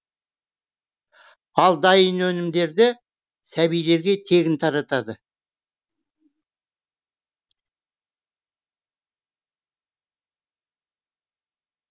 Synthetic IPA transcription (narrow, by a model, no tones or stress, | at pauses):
ɑlˠd̪ɑjənɵnɪmd̪e̞ɾd̪ɪ | sæbijle̞ɾɡʲe̞t̪ʰe̞ɡʲɪnt̪ʰɑɾɑt̪ɑd̪ə